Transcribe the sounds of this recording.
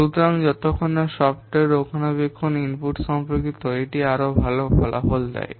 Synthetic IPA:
ut̪ɾaŋd͡ʑɔt̪okʰːonaʃɔbʈeɾokʰanabekʰːoninpuʈʃɔmpɾokit̪oeʈiaɾobʱalobʱɔlʔa̰fold̪ɛ̰j

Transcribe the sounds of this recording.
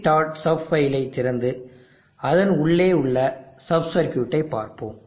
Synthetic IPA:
ʈaːʈsɐfɐjɪlɐɪt̪ːɪɾɐnd̪ɯ | ɐðɐnʊɭːeːʊɭːɐsɐbsɐɾkjuːʈːɐɪpːa̰ːɾpo̰ːm

